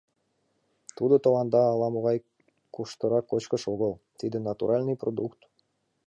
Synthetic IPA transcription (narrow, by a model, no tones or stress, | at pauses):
t̪ud̪ot̪olɑnd̪ɑːlˠɑmoʁɑj | kuʃt̪ɤ̆ɾɑkot͡ɕkə̆ʃoɣəlˠt̪id̪ɘ̆nɑt̪ṵɾʔɑlʲnɨjprod̪ukt̪